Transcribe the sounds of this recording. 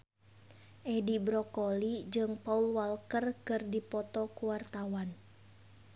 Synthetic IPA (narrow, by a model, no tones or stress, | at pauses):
ʔɛdibɾɔkɔlid͡ʒɨŋpaulwalkərkɨrdipɔt̪ɔkuwart̪awan